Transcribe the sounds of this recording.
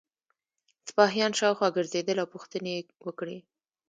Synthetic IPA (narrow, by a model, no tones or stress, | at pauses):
spɑɦjɑnʃɑwxwɑɡəɾzed̪əlawpuxt̪ənewəkɽe